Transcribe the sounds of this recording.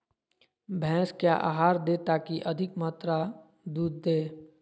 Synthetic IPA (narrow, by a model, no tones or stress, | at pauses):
bʱɛ̃ːskjaʔa̰ːɦaːɾd̪eːt̪aːkiʔəd̪ʱɪkmaːt̪ɾa | d̪uːd̪̚ːeː